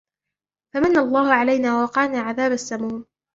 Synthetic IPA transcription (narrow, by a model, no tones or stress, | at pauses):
famanːalˤːɑːhʊʕalajnaːwawɑqɑːnaːʕaðaːbasːamuːn